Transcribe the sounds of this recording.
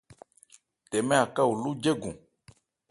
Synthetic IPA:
tɛ˨mɛ̃˦a˨ka˦wu˨lu˦d͡ʒe˦ɡṵ̃˨

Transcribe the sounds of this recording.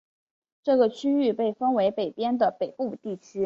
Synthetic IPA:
ʈ͡ʂɤ˥˩ɡə˩t͡ɕʰy˥y˥˧pe˥˩ɪfə˥nwe˧˥ɪpe˨˩ɪpjɛ˥nd̪ə˨pe˨˩ɪpu˥˧t̪i˥˩t͡ɕʰy˥

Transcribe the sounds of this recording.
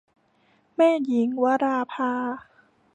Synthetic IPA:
mɛː˥˩ji˩˦ŋwa˦˥ɾaː˧pʰaː˧

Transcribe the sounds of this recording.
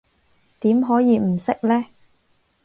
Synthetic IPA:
t̪iː˨˥mɦɔː˨˥jiː˨˧m̩˨˩sɪ˥k̚lɛː˥

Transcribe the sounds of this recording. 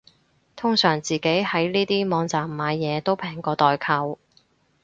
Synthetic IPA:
t̪ʰʊ˥ŋsœː˨˩ŋt͡siː˨˩ke˨˥jhɐ˨˥jniː˥t̪iː˥mɔː˨˧ŋt͡saː˨mːaː˨˧jːɛː˨˧t̪o˥wpʰɛː˨˩ŋkɔː˧t̪ɔː˨jkʰɐ˨˧w

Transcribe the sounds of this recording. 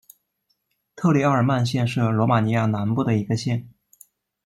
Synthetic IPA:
t̪ʰɤ˥˩li˧˥ɑ˥˩ə˞˨˩ma˥˧nɕjɛ˥˧nʂɻ̩˥˩lwɔ˧˥ma˨˩ni˧˥ja˥˩na˧˥npu˥˩d̪ə˩i˧˥ɡə˧ɕjɛ˥˩n

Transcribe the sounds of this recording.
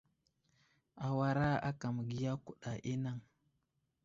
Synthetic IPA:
a˨wa˨ɾa˦a̰˦ka˨m˨ɡi˦ja˦ku˨ɗa˨ʔi˦na˦˨ŋ

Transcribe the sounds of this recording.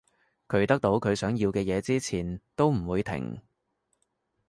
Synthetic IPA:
kʰɵ˨˧˥ɥt̪ɐ˥k̚t̪o˨˥wkʰɵ˨˧ɥsœː˨˥ŋji˧wkɛː˧jɛː˨˧t͡siː˥t͡sʰiː˨˩nt̪o˥wm̩˨˩wuː˨˧jt̪ʰɪ̰˨˩ŋ

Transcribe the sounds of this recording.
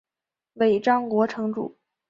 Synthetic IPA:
we˨˩ɪʈ͡ʂɑ˥ŋkwɔ˧˥ʈ͡ʂʰɤ˧˥ŋʈ͡ʂṵ˨˩˦

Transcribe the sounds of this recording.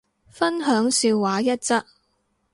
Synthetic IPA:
fɐ˥nɦœː˨˥ŋsiː˧wwaː˨˥jɐ˥t̚t͡sɐ˥t̚

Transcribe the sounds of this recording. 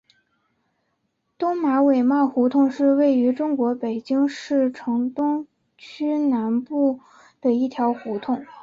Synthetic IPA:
t̪ʊ˥ŋma˧˥we˨˩ɪmɑ˥˩xɔ˧˥t̪ʰʊ˥˧ŋʂɻ̩˥˧we˥˩ɪy˧˥ʈ͡ʂʊ˥ŋkwɔ˧˥pe˨˩ɪt͡ɕi˥ŋʂɻ̩˥˩ʈ͡ʂʰɤ˧˥ŋt̪ʊ˥ŋ | t͡ɕʰy˥na˧˥npu˥˩ | d̪̥ə˩i˥˩t̪ʰjɑ˧˥ʊxɔ˧˥t̪ʰʊ˥˩ŋ

